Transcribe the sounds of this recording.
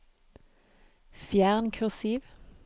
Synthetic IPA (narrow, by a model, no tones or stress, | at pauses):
fjæːʁnkʰʉʁsiːʋ